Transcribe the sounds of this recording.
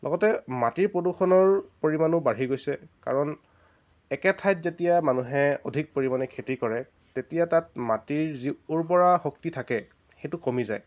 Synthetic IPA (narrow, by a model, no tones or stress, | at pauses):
lɔ̰ɡɔtɛmatiɹpɹoduxʰɔnɔɹpoɹimanʊbaɹ̤iɡojsɛka̰ɹɔn | ɛkɛtʰajtzetijamanuɦɛodʱik̚poɹimanɛkʰetikɔɹɛ | tetijatat̚matiɹziuɹp̬ɔɹaxok̚titʰakɛ | xejtʊkomizaj